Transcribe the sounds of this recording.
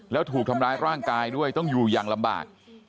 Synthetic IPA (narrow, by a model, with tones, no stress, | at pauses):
lɛː˦˥wt̪ʰuː˨˩k̪̚ʰmɾaː˦˥jɾaː˥˩ŋkaː˧jdu˥˩əjt̪ɔ˥˩ŋjuː˨˩jaː˨˩ŋla˧mba̰ː˨˩k̚